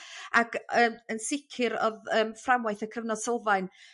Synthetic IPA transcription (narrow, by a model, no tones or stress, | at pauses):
akəənsɪkʰɪɾɔ̰ðəːmframwaɨθəkʰəvnɔd̥sɔlˠvajn